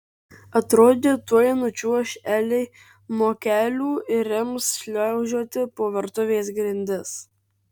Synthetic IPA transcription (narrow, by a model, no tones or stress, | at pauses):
ɐt̪ɾoːd̪ʲeːt̪uɔjɛnʊt͡ʃʲuʃʲæːlʲɛɪ | moːkʲæːlʲuːɪɾʲɪmsʃʲlʲɛʊʒʲuɔt̪ʲɪpoːʋʲɛɾt̪ʊʋʲeːsɡɾʲɪnʲd̪ʲɪs